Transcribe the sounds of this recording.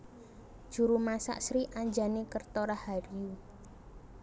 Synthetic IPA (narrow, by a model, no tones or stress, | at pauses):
d̥ʒ̥ṳɾumasa̰ʔsɾiʔaɲd͡ʒanekərt̪ɔɾahaɾiju